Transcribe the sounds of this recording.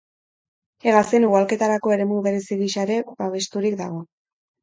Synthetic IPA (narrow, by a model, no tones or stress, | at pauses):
eɣaseniɣualke̞t̪aɾako̞e̞ɾe̞muβe̞ɾe̞siɣiʃaɾe̞baβ̞e̞st̪uɾik̚d̪aɣ̞o̞